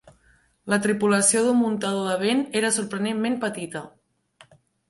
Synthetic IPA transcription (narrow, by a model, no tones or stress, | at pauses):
lət̪ɾipuləsioðummunt̪aðoðəβ̞eneɾəsuɾpɾənemmempət̪it̪ə